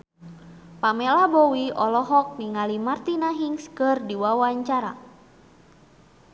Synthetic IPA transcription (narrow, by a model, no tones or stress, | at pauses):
pamɛlahbɔwiɔlɔɦɔk̚niŋalimart̪inaɦiŋskɨrdiwawaɲt͡ʃaɾa̰